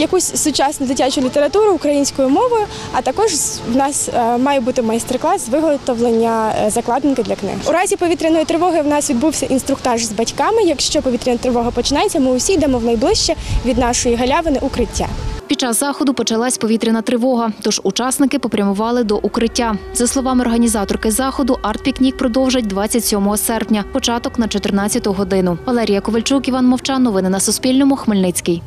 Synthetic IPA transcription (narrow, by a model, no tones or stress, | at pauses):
jɐkusʲsʊt͡ʃɑsnʊzɐtʲat͡ʃʊlʲit̪e̞ɾɐt̪uɾʊːkɾɐjinʲsʲkɔjʊmɔʋɔjʊ | ɐt̪ɐkɔʒwnɑsmɑjɛbut̪ɪmɐjst̪erklˠɑsʋɪɦɔt̪ɔʋlˠenʲːɐzɐklˠɑd̪ɪnkɪd̪lʲɐknɪ̰ɦɪuɾɑzʲipɔit̪ɾʲɪnɔjit̪ɾɪʋɔɦɪwnɑsʋʲid̪̚buwsʲɐʔinst̪ɾʊkt̪ɑʒzbɐtʲkɑmɪjɐkʃt͡ʃɔpɔʋʲit̪ʲɾʲɪnɐt̪ɾɪʋɔɦɐpɔt͡ʃɪnɑjet͡sʲːɐmɪʊsʲijd̪ɛmɔwnɐjblˠɪʃt͡ʃɛʋʲid̪nɑʃɔjiɦɐlʲaʋɪnɪʔʊkɾɪtʲːa̰pʲid̪t͡ʃɑzːɑxɔd̪ʊpɔt͡ʃɐlˠɑsʲpɔʋʲit̪ɾʲɪnɐt̪ɾɪʋɔɦɐt̪ɔʒut͡ʃɑsnɪkɪpɔpɾʲɐmʊʋɑlˠɪd̪ɔʔukɾɪtʲːazɐslˠɔʋɑmɪɔrɦɐnʲizɑt̪ɔrkɪzɑxɔd̪ʊʔɑrt̪̚pʲiknʲik̚pɾɔd̪ɔwʒɐtʲd̪ʋɑt͡sʲːɐtʲsʲɔmɔɦɔsɛrpnʲɐpɔt͡ʃɑt̪ɔknɐt͡ʃɔt̪ɪrnɑt͡sʲːɐt̪ʊɦɔd̪ɪnʊʋɐlˠɛɾʲijɐkɔʋɐlʲt͡ʃukiʋɑnmɔwt͡ʃɑnːɔʋɪnɪnɐsʊspʲilʲnɔmʊxmɪlʲnɪt͡sʲkɪj